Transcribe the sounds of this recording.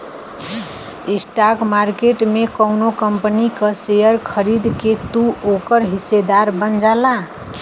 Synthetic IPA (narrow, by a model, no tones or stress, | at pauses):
isʈakmaɾkeʈmekəwnokəmpənikəsejəɾkʰəɾid̪ket̪uokəɾɦisːed̪aɾbənd͡ʒala